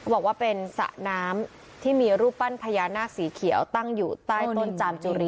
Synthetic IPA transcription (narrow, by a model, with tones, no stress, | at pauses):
bɔː˨˩kwaː˥˩pe˧nsa̰˨˩ʔnaː˦˥m | t̪ʰiː˥˩miː˧ɾuː˥˩p̚pa˥˩npʰa˧jaː˧naː˥˩k̚siː˩˦kʰi˨˩˦əwt̪a˥˩ŋjuː˨˩t̪aː˥˩jt̪o˥˩nt͡ɕaː˧mt͡ɕuː˧ɾi˧˩